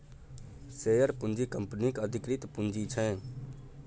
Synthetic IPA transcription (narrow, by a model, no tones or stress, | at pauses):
seːjəɾpʊnd͡ʒiːkəmpnikəd̪ʱɪkɾɪt̪pʊnd͡ʒiːt͡ʃʰɛ̃ː